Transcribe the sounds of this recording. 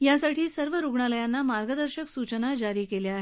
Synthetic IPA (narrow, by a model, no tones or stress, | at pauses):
jasaʈʰiːsəɾʋəɾuɡɳaləjanːamaɾɡəd̪əɾɕəksut͡ɕənad͡ʑaɾiːkeleaɦe